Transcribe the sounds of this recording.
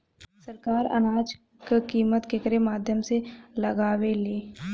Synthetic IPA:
səɾkaːɾɐ̰naːd͡ʒ | kkiːmət̪kekəɾemaːd̪ʱjəmselɐɡaːweleː

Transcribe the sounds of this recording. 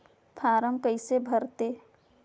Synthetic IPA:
pʰaːɾəmkəɪsebʱəɾt̪e

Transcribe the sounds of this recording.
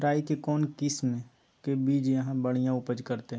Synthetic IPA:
ɾaːikekɔːnkɪsme | kebiːd͡ʒjɐɦãbəɽ̤ijãʊpəd͡ʒkɐɾt̪eɦ

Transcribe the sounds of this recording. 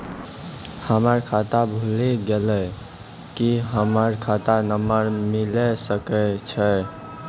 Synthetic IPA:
həməɾkʰat̪abʱuleɡelɛ | kiɦəməɾkʰat̪anəməɾmilɛsəkɛt͡ʃʰɛ

